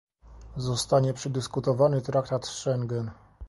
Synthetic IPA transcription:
zɔst̪aɲɛpʂɛd̪ɘskut̪ɔvanɘt̪ɾakt̪at̪ʂɛŋɡɛn

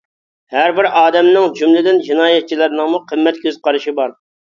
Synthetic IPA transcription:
hæɾbɪɾɑːd̪ɛmnɪŋd͡ʒumlɪd̪ɪnd͡ʒinɑːjɛt̪̚t͡ʃʰːilɪɾnɪŋmuqʰəmːɛt̪̚kʲʰøzqʰɑɾɨʃibɑɾ

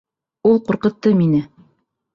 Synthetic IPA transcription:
ulˠquɾqɤ̆t̪ːɤminɘ

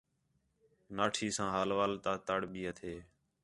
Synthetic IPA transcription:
naːʈʰiːsãːɦaːlʋaːlt̪aːt̪əɽɓiːət̪ʰeː

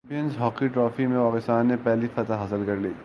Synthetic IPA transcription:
pijənzɦɔːkiʈɾɔːfimẽpaːkɪst̪aːnːepɛɦlifɐt̪əɦɐsəlkɐɾliː

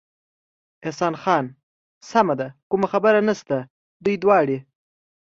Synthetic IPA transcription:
ɪhsɑnxɑn | samad̪akumaxabəɾanast̪a | d̪ujd̪wɑɽi

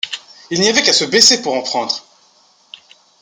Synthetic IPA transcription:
ilniavɛkasəbesepuʁɑ̃pχɑ̃d̪ʁ

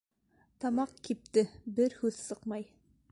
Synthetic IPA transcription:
t̪ɑmɑqkip̚t̪ɘbɘɾhʉðsɤqmɑj

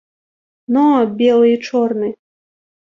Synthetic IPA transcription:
nobʲelˠɨjt͡ʃornɨ

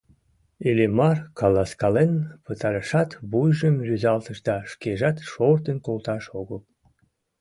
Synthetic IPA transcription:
elemɑrkɑlɑskɑlenpət̪ɑɾəʃɑt̪βujʒəmjyzɑlt̪əʃd̪ɑʃkeʒɑt̪ʃort̪ənkolˠt̪ɑʃoɣəl

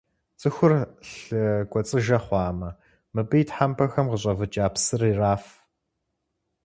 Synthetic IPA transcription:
t͡sʼɨxʷʊrɬɨɡʷɔt͡sʼɨʒɐχʷɑːmɐ | mɨbɨjtħampʰɐxɐmʁəɕʼɐvɨt͡ʃʼaːpsɨriːraːf

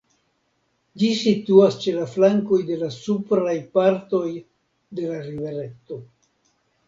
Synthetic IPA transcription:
d͡ʒisit̪uast͡ʃe̞laflaŋko̞jde̞lasupɾajpaɾt̪o̞j | de̞laɾive̞ɾe̞t̪o̞

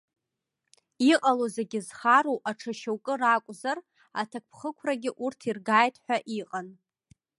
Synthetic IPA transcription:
iqʼalozeɡʲɪzχaɾowʔaʈ͡ʂʰaʃawkʼɨrakʷʼzar | atʰak̚ʷʼpʰχəkʷʰraɡʲɪʔurtʰirɡaːjtʰʼħʷᶣaʔiqʼan

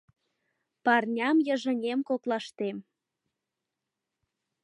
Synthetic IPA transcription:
pɑrnʲɑmjəʒə̆nʲemkoklɑʃt̪em

